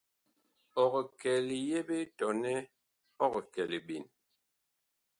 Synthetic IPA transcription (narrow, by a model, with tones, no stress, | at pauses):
ɔ˨ɣɔ˨kɛ˨li˨je˦be˦tɔ˨nɛ˦ | ɔ˦kɔ˨kɛ˨li˨ɓi˨n